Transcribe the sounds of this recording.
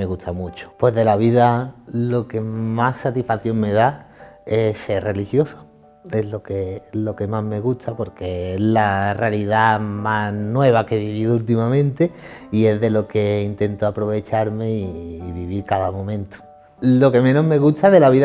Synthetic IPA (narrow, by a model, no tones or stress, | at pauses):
eɣut̪ʰamut͡ʃo̥pwe̞zðe̞laβiðalo̞ke̞masːat̪ifaθjo̞ŋme̞ðae̞se̞re̞lihjo̞so̥ | e̞lo̞kelo̞ke̞maɦme̞ɣut̪ʰapo̞ɾke̞elarealiðamanwe̞β̞akeβiβiðoult̪̬imamẽ̞nt̪e̞ie̞zðe̞lo̞ke̞int̪e̞nt̪oapɾo̞β̞e̞t͡ʃaɾme̞iːβiβiɾkaðamõ̞mẽ̞nt̪o̥ | lo̞ke̞mẽ̞no̞ɦme̞ɣut̪ʰaðe̞laβið